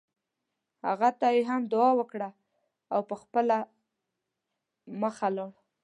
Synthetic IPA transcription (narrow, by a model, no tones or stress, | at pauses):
ha̰ɣat̪ajeɦamd̪ʊɑwəkɽa | awpəxpəla | məxalɑɽ